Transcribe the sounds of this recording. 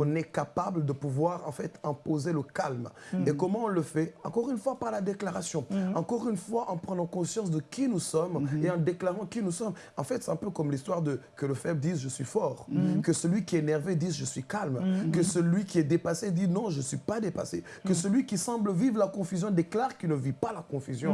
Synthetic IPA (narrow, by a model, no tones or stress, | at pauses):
kɔ̃nɛkapabləd̪əpuvwaʁɑ̰̃fɛt̪ɛ̃pozeləkalmekɔmɑ̃ɔ̃ləfɛɑ̃kɔʁynfwapaʁlad̪eklaʁasjɔ̃ɑ̃kɔʁynfwaʔɑ̃pχənɑ̃kɔ̃sjɑ̃s̬d̪əkʲinusɔmeɑ̃d̪eklaʁɑ̃kinusɔm | ɑ̃fɛt̪sɛt̪ɛ̃pøkɔmlist̪waʁd̪əkələfɛbd̪izʒəsɥifɔːʁkəsəlɥikʲiɛnɛʁved̪izʒəsɥikalmkəsəlɥikʲiɛd̪epased̪inɔ̃ʒəsɥipad̪epa̰sekəsəlɥikʲisɑ̃bləvivlakɔ̃fyzjɔ̃d̪eklaʁkilnəvipalakɔ̃fyzjɔ̃